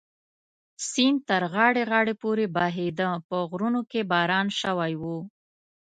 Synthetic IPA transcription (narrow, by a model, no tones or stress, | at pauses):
sint̪əɾɣɑɽeɣɑɽepoɾebɑɦed̪əpəɣɾunokebɑɾɑnʃəwajwu